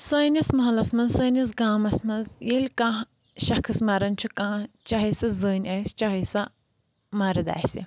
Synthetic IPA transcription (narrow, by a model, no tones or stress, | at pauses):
sɐːnʲɐsmɐɦɐlɐsmɐnsɐːnʲɐsɡaːmɐsmɐnzjilʲkãː | ʃɐkʰɨsmɐɾɐnʲt͡ʃʰukãː | t͡ʃɐɦɐsɐzəːnʲɐst͡ʃɐɦɐsɐ | mɐɾɐd̪a̰ːsi